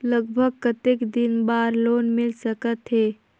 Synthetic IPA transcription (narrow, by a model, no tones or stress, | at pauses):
ləɡbʱəɡ̚kət̪ekd̪inbaɾloːnmɪlsəkət̪ɦe